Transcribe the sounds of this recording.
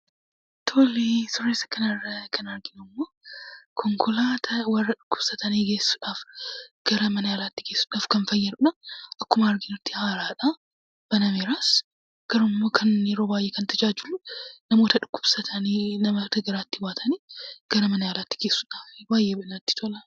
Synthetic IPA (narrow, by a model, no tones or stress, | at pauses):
t̪ʰoːlisʊrːeːsɐ̥kːɐnɐrːɐkʰɐnɐɾɡɪnʊmːoːkʰɔŋkʰɔlaːt̪ʰɐwɐrːɐᶑʊkːʊbsɐt̪ʰɐniːɡe̞ːsːʊᶑaːfɡ̥ɐɾɐmɐnɐjaːlaːt̪ːɪ̥ke̞ːsːʊᶑaːfkɐnfɐjːɐɾᶑɐʔɐkːʊmɐɐɾɡɪnɪɾt̪ːɪhaːɾaːᶑa | b̥ɐnɐmeːɾaːs | ɡ̥ɐɾʊmmːokʰɐnɪɾoːbaːjʔeːkɐnt̪ʰɐd͡ʒaːd͡ʒɪlːʊnɐmoːt̪ɐᶑʊkːʊ̥b̥sɐt̪ʰɐninɐmɐt̪ɐɡɐɾaːt̪ːɪbaːt̪ʰɐniɡ̥ɐɾɐmɐnɐjaːlaːt̪ːɪ̥ke̞ːsːʊᶑaːfbaːjʔeːbɐnɐt̪ːɪ̥t̪ʰɔlɐ